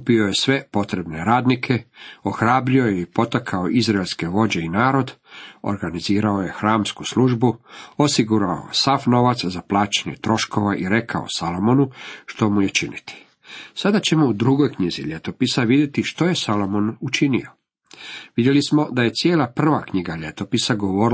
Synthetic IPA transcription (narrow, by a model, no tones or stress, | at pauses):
upio̞je̞sʋe̞po̞t̪ɾe̞bne̞ɾaːd̪nikʰe̞oxɾaːbɾio̞jeipo̞t̪akʰaoʔizɾaelʲske̞ʋo̞d͡ʑe̞inaːɾo̞d̪o̰ɾɡaniziːɾao̞je̞xɾaːmskusluʒbuo̞siɡuɾao̰jsafno̞ʋat̪szaplˠaːt͡ɕeɲḛt̪ɾo̞ʃko̞ʋaʔiɾe̞kʰao̰salo̞monuʃt̪o̞muje̞t͡ʃinit̪i̥ | sad̪at͡ɕe̞moud̪ɾuɡo̞jkɲizḭʎe̞t̪o̞pisaʋid̪ʲjet̪iʃt̪o̞je̞salo̞monut͡ʃinḭo̞ | ʋid̪jelismo̞d̪aje̞t̪sjeːlˠapr̩ʋakɲiɡaʎe̞t̪o̞pisaɡo̞ʋo̞ːɾ